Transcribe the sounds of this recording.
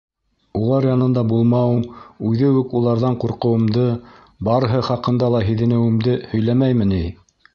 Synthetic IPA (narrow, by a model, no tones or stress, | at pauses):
ulˠɑɾjɑnɤ̆nd̪ɑbulˠmɑwɤmʉðɘwɘkulˠɑɾðɑɴquɾqɤ̆wɤ̆md̪ɤ | bɑɾɤ̆ɦɤχɑqɤ̆nd̪ɑlˠɑɦiðɘ̆nɘ̆wɘ̆md̪ɘhɵ̆jlæmæjmɘ̆nij